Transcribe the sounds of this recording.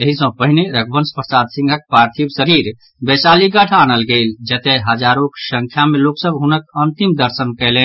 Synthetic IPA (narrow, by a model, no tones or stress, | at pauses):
eɦisə̃pəɦineɾəkʰbənspɾəsad̪sĩŋɡʱək̚pɾaɾt̪ʰibsəɾiɾ | bɛsaliɡəʈʰanəlɡeld͡ʒət̪eɦəd͡ʒaɾoksəŋkʰjameloksəbɦunəkənt̪imd̪əɾsənkɛlɛ̃n